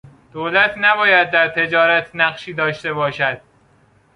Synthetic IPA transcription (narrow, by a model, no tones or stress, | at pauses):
d̪̥oːlæt̪ʰnæbɒːjæd̪̚ːæɾt̪ʰe̞d͡ʒɒːɾæt̪ʰnæɢʃiːd̪ɒːʃt̪e̞βɒːʃæd̪̥̚